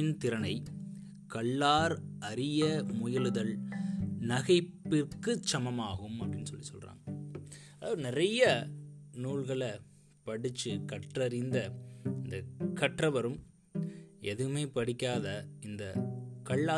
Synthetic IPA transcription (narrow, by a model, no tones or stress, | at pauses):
ɪnt̪ɪɾɐnɐɪ | kɐɭːaːɾɐɾɪjɐmʊjɐlɯðɐl | nɐɣɐɪpːɪrkɯt͡ʃːɐmɐmaːɣɯmɐpːɐɾɪnːɯsɔlːisɔlra̰ːŋɡɐ | ɐðaːʋɐðɯnɪɾɐjɐnuːɭɣɐɭɐ | pɐɽɪt͡ʃːɯkɐʈrɐɾɪnd̪ɐɪnd̪ɐkɐʈrɐʋɐɾɯm | ɛðɯɯmeːpɐɽɪkʲːaːðɐɪnd̪ɐkɐɭːaː